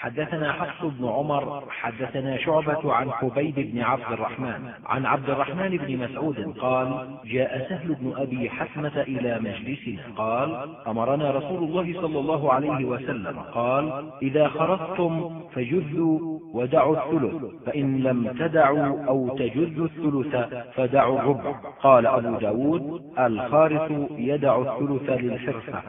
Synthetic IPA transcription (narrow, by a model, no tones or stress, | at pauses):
ħad̪ːaθanaːħɑfsˤʊbnʊʕʊmɑɾˤħad̪ːaθanaːʃʊʕbat̪ʕanħʊbajbɪbnɪʕab̚d̪ɪrˤːɑ̰ħmaːn | ʕa̰nʕab̚d̪ɪrˤːɑħmaːnɪbnɪmasʕuːd̪ɪnqɑːl | d͡ʒaːʔasaɦlʊbnʊʔabiːħat̪mat̪aʔɪlaːmad͡ʒlɪsɪna̰ːqɑːlʔamɑɾˤɑnaːɾˤɑsuːlʊlˤːɑːɦɪsˤɑlːɑlˤːɑːɦʊʕalajɦɪwasalːa̰ma̰qɑːlʔɪðaːxɑɾˤɑsˤt̪ʊmfad͡ʒʊðːuːwad̪aʕuːθːʊlʊθfaʔɪnlamt̪ad̪aʕuːʔawt̪ad͡ʒʊðːʊθːʊlʊθafad̪aʕurˤːʊbʕaqɑːlaʔabuːd̪aːwuːd̪̚ʔalxɑːɾɪsˤʊjad̪aʕʊθːʊlʊθalɪlħɪɾfa̰